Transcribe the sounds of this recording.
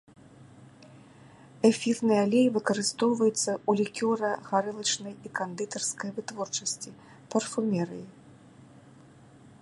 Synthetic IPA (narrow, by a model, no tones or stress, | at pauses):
ɛfʲirnɨjalʲejvɨkɐɾɨst̪ɔwvɐjut̪sːɐʔulʲikʲɔɾɐɣaɾɨlˠɐt͡ʂnɐjikand̪ɨt̪ɐrskɐjvɨt̪vɔrt͡ʂɐsʲt͡sʲi | pɐrfumʲɛɾɨ̰ji